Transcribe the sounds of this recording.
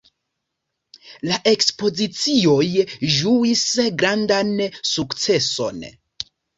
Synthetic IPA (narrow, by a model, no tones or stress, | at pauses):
laʔe̞kspo̞zit͡sio̞jʒuisɡɾandansukt͡se̞so̞̰n